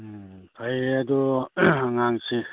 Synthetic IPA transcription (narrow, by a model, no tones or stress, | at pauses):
t̪ʰajad̪uaŋaŋsi